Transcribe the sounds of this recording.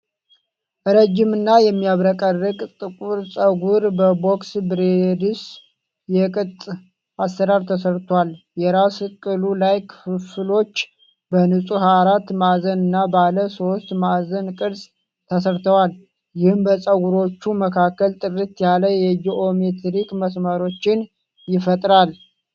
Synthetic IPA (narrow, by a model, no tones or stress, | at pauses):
ʔɨɾəd͡ʒːɪmɨnːajɛmːijaβɾəkʼərːɨkʼt̪ʼɨkʼuɾsʼəɡuɾbəboksbɾed̪ɨs | jɛkʼɨt̪ʼ | ast̪əd̪aɾt̪ʰəsəɾt̪ʰwal | jɛɾaskʼɨlulajkʰfɨfɨlo̞t͡ʃː | bənɨsʼuhaɾat̪mazənɨnːabaləso̞st̪mazənkʼɨɾsʼ | t̪ʰəsəɾt̪ʰəwal | jɪhɨmbəsʼəɡuɾo̞t͡ʃːuməkʰakːəlt̪ʼɨrɨt̪jaləjɛd͡ʒiʔomet̪ʰɾikməsmaɾo̞t͡ʃːɪn | jɪfət̪ʼɾal